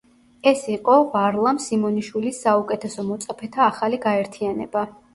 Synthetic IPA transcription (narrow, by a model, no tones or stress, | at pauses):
ɛsiqʼɔvaɾlˠamsimɔniʃwilisːaukʼɛt̪ʰɛsɔmɔt̪sʼapʰɛt̪ʰaːχaliɡaɛɾt̪ʰianɛ̰ba